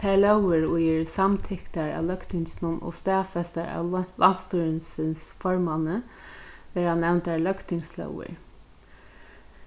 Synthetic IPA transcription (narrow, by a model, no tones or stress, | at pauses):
t̪ʰæːɹlœwəɾʊjəɹsamt̪ʰɪkt̪aɹa̰lœkt̪ɪŋsnʊnʔɔ̰st̪ɛːfɛst̪aɹa̰lʔan̥t̪st̪uɾənsɪnsfɔɹmanə | ʋɛːɾanɛwnt̪aɹlœkt̪ɪŋslœ̰wə̰ɹ